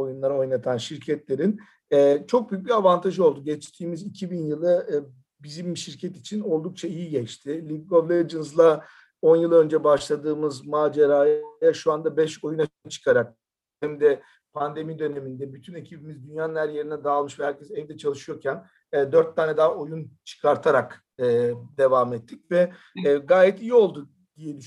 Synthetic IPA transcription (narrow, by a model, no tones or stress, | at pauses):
o̞junlˠaɾao̞jnat̪ʰanʃiɾcʰɛt̪lʲe̞ɾin | ɛːt͡ʃʰo̞k̚byjyc̚bʲiavant̪ʰaʒɯolˠd̪uɟɛt͡ʃt̪ʰiːmizicʰibinjɯlˠɯ | bizimʃiɾcʰɛt̪it͡ʃʰino̞lˠd̪uk̚t͡ʃʰaijiɟɛt͡ʃt̪ʰɪlʲiɡɡoblʲˠed͡ʒɯnɯzlˠa | o̞njɯlˠønd͡ʒɛbaʃlˠad̪ɯːmɯzmaːd͡ʒeɾaːjjaʃuand̪abɛʃo̞junat͡ʃʰɯ̥kʰaɾak̚ | hɛmd̪ɛ | pʰand̪e̞mid̪ø̞ne̞mind̪ɛbyt̪ʰyne̞cʰibimizd̪ynjaːnlʲˠæɾje̞ɾinɛd̪aːlˠmɯʃvɛhæɾcʰɛzɛvd̪ɛt͡ʃʰalˠɯʃɯjo̞ɾcʰænː | d̪ø̞ɾt̪ʰːaːnɛd̪ao̞junt͡ʃʰɯ̥kʰaɾt̪ʰaɾak | ɯːd̪e̞vaːmɛt̪ʰːicvɛ | ɡaːjɛt̪ijio̞lˠd̪u | d̪̥ijɛd̪yʃ